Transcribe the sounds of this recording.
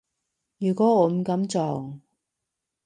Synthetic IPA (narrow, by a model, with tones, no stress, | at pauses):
jyː˨˩kʷɔː˨˥ɔː˨˧m̩˨˩kɐ˨˥mt͡sɔː˨˩ŋ